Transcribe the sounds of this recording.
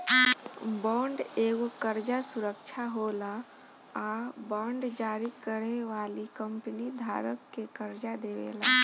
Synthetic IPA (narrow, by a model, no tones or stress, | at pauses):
bɔɳɖeɡokəɾd͡ʒasuɾəkt͡ʃʰaɦola | abɔɳɖd͡ʒaɾikəɽeʋalikəmpənid̪ʱa̰ɾəkːekəɾd͡ʒad̪eʋḛla